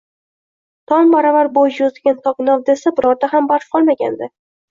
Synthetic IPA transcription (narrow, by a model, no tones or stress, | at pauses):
t̪ʰɒmbaɾavaɾbojjozɪɡʲant̪ʰɒqnɒvd̪esabɪɾɒɾd̪aɦambaɾfqʰɒlˠmaɡʲa̰nd̪ɪ